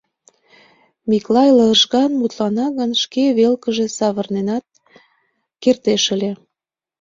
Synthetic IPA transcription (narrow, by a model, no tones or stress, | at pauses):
miklɑjləʒɣɑnmut̪lɑnɑɣənʃkeβelkəʒe̽sɑβərnenɑt̪̚ | kert̪eʃəlʲe